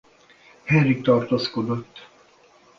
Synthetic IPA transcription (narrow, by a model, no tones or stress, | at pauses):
hɛrikt̪ɒrt̪oːskod̪ot̪ː